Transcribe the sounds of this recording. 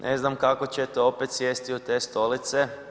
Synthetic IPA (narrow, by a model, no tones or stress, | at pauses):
nʔeznamkako̞t͡ɕet̪eo̞pet̪sjest̪iut̪e̞ːst̪o̞lit̪se